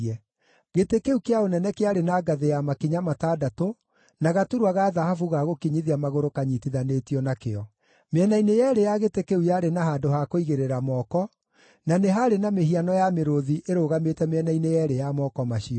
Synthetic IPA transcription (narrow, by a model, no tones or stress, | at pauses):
ɛ | ɣetekeukeaonɛnɛkeaɾenaːɡaðejamakiɲamataːdato | naɣatuɾwaɣaːðahafuɣaɣokiɲiðiamaɣoɾokaɲitiðanetiɔnakḛɔ | meɛnainejɛːɾejaɣetekeujaɾenaɦaːndohakoiɣeɾeɾamɔkɔ | naneɦaɾenameɦianɔjameɾoðiʔeɾoːɣametɛmeɛnainejɛɾejamɔːkɔmaɕiɔ